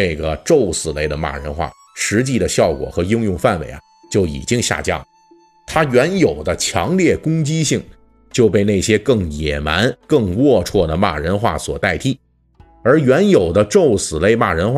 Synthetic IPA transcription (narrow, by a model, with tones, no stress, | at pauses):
e˥˩ɪɡə˩ʈ͡ʂo˥˩ʊsɹ̩˨˩le˥˩ɪd̪ə˩ma̰˥˩ɻə̰˧˥nxwa̰˥˩ | ʂɻ̩˧˥t͡ɕi˥˩d̪ə˩ɕjɑ˥˩ʊkwɔ̰˨˩xɤ˧˥ji˥ŋjʊ˥˧ŋfa˥˩nwḛ˧˥ɪa̰˦˩ | t͡ɕjo˥˩ʊḭ˨˩t͡ɕi˥ŋɕja̰˥˧t͡ɕjɑ̰˥˩ŋ | t̪ʰa˥ɥɛ˧˥njo˨˩ʊd̪ə˦t͡ɕʰjɑ˧˥ŋljɛ˥˩kʊ˥ŋt͡ɕi˥ɕi˥˩ŋ | t͡ɕjo˥˧ʊpe˥˧ɪne˥˩ɪɕjɛ˥kɤ˥˩ŋjɛ˨˩ma˧˥nkɤ˥˧ŋwwɔ˥˧ʈ͡ʂʰwɔ˥˩d̪ə˩ma̰˥˩ɻə˧˥nxwa̰˥˩swɔ̰˨˩t̪a˥˩ɪt̪ʰi˥˩ | ə˞˧˥ɥɛ˧˥njo˨˩ʊd̪ə˦ʈ͡ʂo˥˩ʊsɹ̩˨˩le˥˧ɪma˥˩ɻə˧˥nxwa˥